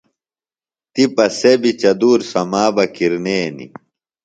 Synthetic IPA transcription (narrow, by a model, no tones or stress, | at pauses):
t̪ipɐsebit͡ɕɐd̪uːɾsɐmaːbɐkiɾneːnḭ